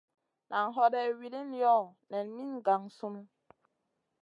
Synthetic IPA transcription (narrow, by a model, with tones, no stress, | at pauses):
nʔa˨ŋ˨ɦɔ˦dɛ˦wi˨li˦n˦jɔ˦˨nɛ˨nmi˦ŋɡa˨ŋsu˦nu˦